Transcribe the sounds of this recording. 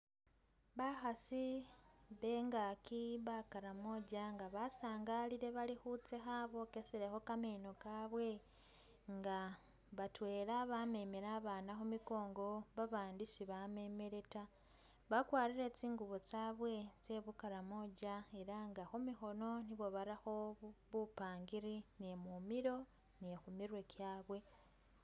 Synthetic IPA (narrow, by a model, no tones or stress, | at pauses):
βaxasi | βe̞ːŋɡaːkiβakaɾamo̞ɟaŋɡaβasaːŋɡaliɾe̞βalixut͡se̞xaβo̞keseɾexo̞kame̞ːno̞kaːβwe̞ | ŋɡa | βatwe̞ːlaβame̞me̞ɾaːβaːnaxomiko̞ːŋɡo̞βaβaːndisiβame̞me̞ɾe̞ta | βakwaːɾiɾe̞t͡siːŋɡuβot͡saːβwe̞t͡se̞βukaɾamo̞ɟae̞ɾaŋɡaxumixo̞no̞niβo̞βaɾixo̞βupaːŋɡiɾinemumiɾo̞ | nexumiɾwe̞kjaːβwe̞